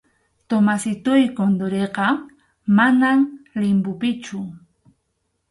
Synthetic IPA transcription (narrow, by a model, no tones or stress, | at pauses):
t̪omasɪt̪ʊjkond̪oɾeqɑ | manamlɪmpʊpɪt͡ʃʊ